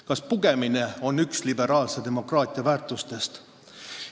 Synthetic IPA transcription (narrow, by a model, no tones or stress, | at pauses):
kɑspuɡ̥e̞mine̞o̞nːykslibe̞ɾɑːlse̞d̪e̞mo̞krɑːt̪ˑiɑvæːrt̪ˑust̪e̞st̪